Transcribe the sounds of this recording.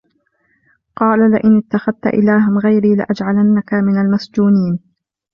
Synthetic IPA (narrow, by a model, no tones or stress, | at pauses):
qɑːlalɪʔɪnɪt̪ːaxaðt̪a̰ʔɪ̰laːɦɪmɣajɾiːlɪ̰ʔad͡ʒʕalanːakamɪnalmasd͡ʒuːniːn